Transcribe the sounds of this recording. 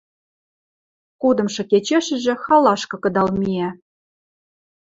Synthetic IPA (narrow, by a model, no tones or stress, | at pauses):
kud̪ɤ̆mʃɤ̆ket͡ɕeʃɘ̆ʒĕxɑlɑʃkɤ̆kɤ̆d̪ɑlmiæ